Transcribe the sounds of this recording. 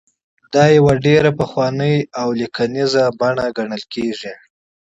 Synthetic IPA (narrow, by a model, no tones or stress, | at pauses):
d̪ɑjawaɖeɾapəxwɑnəjawlikʰanizabaɳaɡaɳəlkeʐi